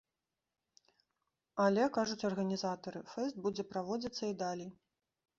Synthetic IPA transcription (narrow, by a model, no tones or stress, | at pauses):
ɐlʲɛkaʐut͡sʲɐrɣɐnʲizat̪ɐɾɨfɛst̪̚bud͡zʲɛpɾavɔd͡zʲɐt̪sːɐid̪alʲij